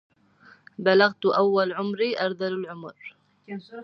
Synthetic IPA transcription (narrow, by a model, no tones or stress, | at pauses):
balaɣt̪uʔawːalʕʊmɾiʔaɾd̪alʊlʕʊmʊr